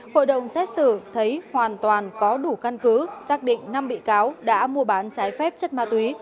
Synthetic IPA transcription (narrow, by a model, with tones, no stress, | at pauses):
ho̰˧˨jɗə̰˨˩wŋ͡msɛ˦˥t̚sɨ˧˩t̪ʰə˨˦jhwaː˨˩nt̪waː˨˩nkɔ˨˦ɗu˧˩ka˧nkɨ˨˦zaː˦˥k̚ɗḭ̈˧˨ŋ̟na˧mɓḭ˧˨kaː˨˦wɗa̰ː˧˥mu˧əɓaː˨˦nt͡ɕaː˨˦jfɛ˦˥p̚t͡ɕə˦˥t̚maː˧t̪wi˨˦